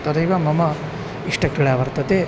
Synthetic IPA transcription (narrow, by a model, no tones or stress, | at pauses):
t̪ɐɾɐjʋamɐmɐ | iʂʈɐkɾiɭaːʋɐɾt̪ɐt̪e